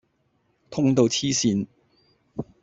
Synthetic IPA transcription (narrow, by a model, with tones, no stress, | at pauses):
t̪ʰʊ˥ŋt̪o˨˧wt͡sʰiː˥siː˧n